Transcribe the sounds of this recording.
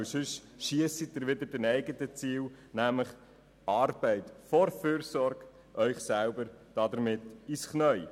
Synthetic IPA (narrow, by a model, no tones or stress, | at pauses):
sʏʃʃiəsit̚dɪɾʋɪd̪əɾdɛnɛɪɡətət͡siːwnæmləχ | ʔɑːrb̥ɛɪtfɔɾføːɾsɔɾɡ | ʔœʏχsælbəɾd̥ɑd̪əɾmɪtisχnœʏ